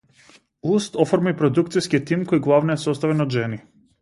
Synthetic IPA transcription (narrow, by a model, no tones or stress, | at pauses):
ust̪ɔfɔɾmipɾɔd̪ukt̪siskit̪imkɔjɡlˠavnɔɛsɔst̪avɛnɔd̪ʒɛni